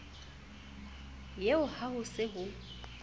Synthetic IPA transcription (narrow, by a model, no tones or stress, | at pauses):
jeʊhaɦʊsɪɦʊ